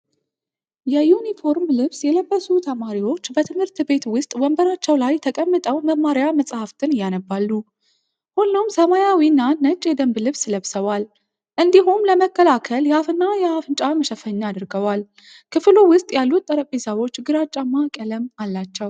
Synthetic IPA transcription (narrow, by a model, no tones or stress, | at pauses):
jɛjunifo̞ɾmlɨβsjɛləbːəsut̪ʰəmaɾiwo̞t͡ʃːbət̪ʰɨmhɨɾt̪be̞t̪wʊst̪ʼwəmbəɾat͡ʃːɛwlajt̪ʰəkʼəmːət̪ʼəwməmːaɾjaməsʼhaft̪ʰɨnɨjːanəbːalːu | honːowmsəmajawinːannːət͡ʃʼjɛd̪əmblɨβsləβsəwal | ʔɨnd̪iɦumləməkːəlakʰəljɛafɨnːajɛafɨnt͡ʃʼaməʃəfəɲːad̪ɨɾɡəwal | kʰɨflowʊst̪ʼjalːut̪ʼːəɾəpʼisawo̞t͡ʃːɡɨɾat͡ʃʼamakʼələmalːat͡ʃːɛw